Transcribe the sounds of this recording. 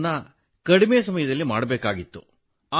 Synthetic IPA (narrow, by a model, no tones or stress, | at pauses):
nːɐ | kɐɽimejɐs̬ɐmɐjɐd̪ɐlːimaːɽɐbeːkaːɡit̪ːu | aː